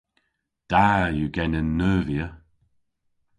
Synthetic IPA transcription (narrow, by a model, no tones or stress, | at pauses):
d̥ajuɡɛnɪnːœːviə